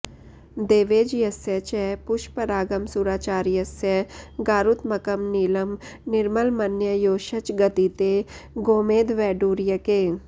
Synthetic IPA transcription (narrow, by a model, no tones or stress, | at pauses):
d̪eːʋeːd͡ʒjɐsjət͡ʃɛpʊʃpəɾaːɡəmsuːɾaːt͡ʃaːɾjɐsjəɡaːɾut̪mɐkəmniːləmnɪɾməlmɐnjəjoːʃət͡ʃɡɐt̪it̪eɡoːmeːd̪ʋɛːɖuːɾjəkeː